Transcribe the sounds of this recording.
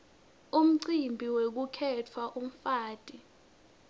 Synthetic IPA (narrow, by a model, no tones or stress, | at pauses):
um̩ǀimbʱiwek̬ukʰɛtʰwaʔum̩faːtʼi